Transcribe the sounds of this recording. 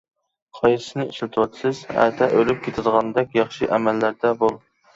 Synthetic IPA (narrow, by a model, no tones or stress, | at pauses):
qʰɑjɾsɨnɨiʃlɨt̪ʰɨwɑt̪ʰsɪzæ̰t̪ʰɛʔølyp̚kʲʰet̪ʰɪd̪əʁɑnd̪ɛkʲjɑχʃiʔɛmælːæɾd̪ɛbolˠ